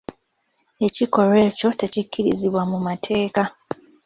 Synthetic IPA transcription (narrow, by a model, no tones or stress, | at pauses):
e̞ciko̞ɾe̞ːco̞tecikʰːiɾḭziβwamumatʰe̞ːka